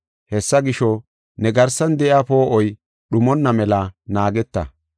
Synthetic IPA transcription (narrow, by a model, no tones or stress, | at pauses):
hɛsːɐɡɪʃɔ | nɛɡɐɾsɐnd̪ɛʔɪapo̞ːʔɔj | ɗʊmɔnːɐmɛlɐnaːɡɛt̪ːɐ̰